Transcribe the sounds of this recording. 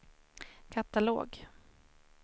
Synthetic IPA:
kʰat̪alo̰ːɡ

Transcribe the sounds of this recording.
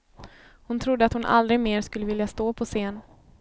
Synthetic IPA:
hʊnt̪ʰɾʊd̪ːəat̪hʊnʔa̰ld̪ɾɪɡmeːɾʂkɵlːəvɪljast̪oːpʰɔseːn

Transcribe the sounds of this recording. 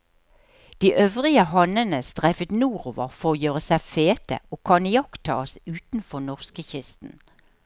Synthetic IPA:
d̪̥iːʔøːʋʁɪəɦɑnənəst̪ʁæfət̪nuːʁoːʋəʁfɔʁoːjøːʁəsæɪfeːt̪ə̰oːkʰɑnɪjɑkt̪ʰɑ̰ːsʉːt̪n̩fɔʁnɔʁskəçʏst̪n̩

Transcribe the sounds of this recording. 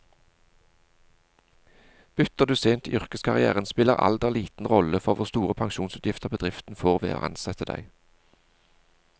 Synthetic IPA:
b̥ʏt̪əʁd̪ʉseːnt̪ḭːʔʏʁkəskʰɑʁɪæ̰ːʁənspɪləʁɑ̰ld̪ɛʁliːt̪n̩ʁɔləfɔʁʋʊʁst̪uːʁəpʰɑŋʃuːnsʉt̪jɪft̪əʁbəd̪ʁɪft̪n̩foːʁʋḛːo̰ːʔɑ̰nsɛt̪əd̪æ̰ɪ

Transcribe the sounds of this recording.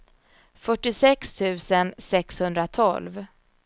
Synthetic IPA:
fœʈːɪsɛkst̪ʰʉ̟ːsənsɛkshɵnd̪ɾat̪ʰɔ̰lv

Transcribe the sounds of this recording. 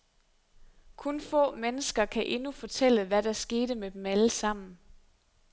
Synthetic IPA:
kʰɔnfɔ̰̽ːmenəsɡ̥ɐkʰæʔe̝nufɒ̽t͡sʰel̰əʋæɾ̥ɑɐsɡ̥e̝ːɾ̥əmed̥emæləsɑ̈m̰n̩

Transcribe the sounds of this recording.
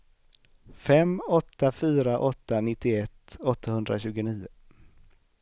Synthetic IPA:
fɛmɔt̪ːafyːɾaʔɔt̪ːanɪt̪ːɪɛt̪ːɔt̪ːahɵnd̪ɾaɕʉ̟ːɡʊniːʊ

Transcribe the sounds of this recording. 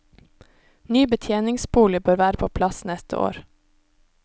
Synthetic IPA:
nyːbət̪ʰjeːnɪŋsbuːlɪbøːɾʋæːɾəpʰoːpʰlɑsnɛst̪ə̰ʔo̰ːɾ

